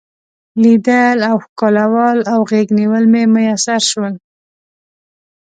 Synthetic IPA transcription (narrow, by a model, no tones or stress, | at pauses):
lid̪əlawxkɑlawɑlawɣeɡniwəlmeməjasaɾʃwəl